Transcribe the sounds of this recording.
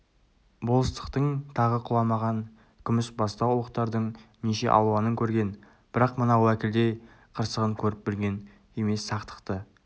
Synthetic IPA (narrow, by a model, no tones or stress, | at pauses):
bo̞lˠəst̪ə̥qt̪əɴt̪ʰɑʁəqʰʊlˠɑmɑʁɑn | kʲʰʏmɪsbɑst̪ɑwlˠəqt̪ɑɾd̪əɴneʃe̞̰ʔɑ̰w̪ˠuɑnəŋkʲʰɵɾɡʲe̞n | b̥ɪɾɑqmənɑwækʲɪld̪e̞ | qʰəɾsəʁəɴkʲʰɵɾɪp̚bɪɾɡʲe̞n | e̞me̞sːɑqt̪ə̥qt̪ə